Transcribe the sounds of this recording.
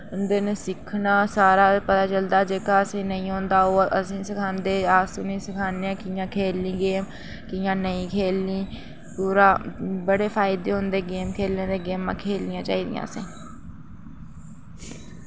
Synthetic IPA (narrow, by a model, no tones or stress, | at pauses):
ʊnd̪eːnesɪkʰːnaːsaːɾaːpət̪aːt͡ʃəld̪aːd͡ʒeːkaːəsẽːnəĩːɦõːnd̪aːoːʔəsĩːsəkʰãːnd̪eːaːsuːnĩːsəkʰaːneãːkiːjãːkʰeːlːĩːɡeːm | kiːjãːnəĩːkʰeːlĩː | puːɾãːbəɽeːpʰaːɪd̪eːɦʊnd̪eːɡeːmkʰeːlãːd̪eːɡeːmã̰ːkʰeːlɪjãːt͡ʃa̰ːiːd̪ɪ̰jã̰ːəsḛ̃ː